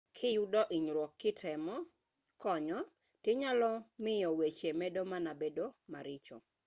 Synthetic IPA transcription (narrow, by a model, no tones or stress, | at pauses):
kʰɪjudɔʔiɲɾwɔkːɪtʰɛmɔ | kɔɲɔ | tɪɲalɔmɪjɔwet͡ʃemɛdomanabedomaɾɪt͡ʃɔ̰